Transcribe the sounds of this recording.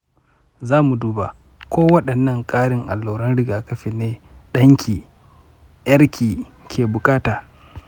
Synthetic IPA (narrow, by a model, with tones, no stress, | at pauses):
zaː˦mu˨duː˦ba̰˨ | kʷoː˦wɐ˦ɗɐ˨nːɐ˦˨ŋkʼaː˦ɽɪ˨ŋʔa̰˨lːoː˨ɾɐ˦nɽɪ˦ɡaː˨kɐ˦ɸi˨neː˦ɗɐ˦ŋkʰʲiː˨ | jɐ˦ɾkʲʰiː˨ | kʲʰeː˨bʊ˨kʼaː˦taː˨